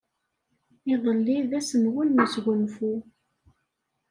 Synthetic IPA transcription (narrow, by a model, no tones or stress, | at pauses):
ɪðˤəlːiðæsənwʊlməsɡʷənfu